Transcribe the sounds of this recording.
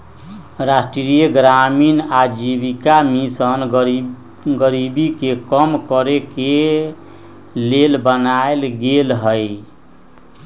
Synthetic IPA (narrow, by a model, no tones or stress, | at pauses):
ɾasʈɾɾijəɡɾaminad͡ʒibikamisən | ɡəɾibikekəmkəɾeke | lelbənaelɡelɦəj